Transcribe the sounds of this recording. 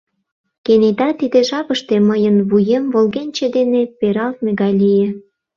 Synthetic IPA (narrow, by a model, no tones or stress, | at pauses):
kened̪ɑt̪id̪eʒɑpəʃt̪eməjənβujemvolɣenʲt͡ɕed̪enepeɾɑlt̪meɣɑjlʲijĕ